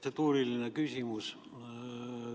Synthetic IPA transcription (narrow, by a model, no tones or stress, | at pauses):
set̪uːrilːinekysʲimus